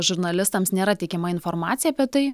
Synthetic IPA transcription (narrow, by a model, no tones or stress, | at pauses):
ʒʊɾnɐlʲɪst̪ɐmsnʲeːɾɐt̪ʲɛɪkʲɛmɐɪnfoɾmɑ̰ːt̪sʲɪjɛɐpʲiɛt̪ɐɪ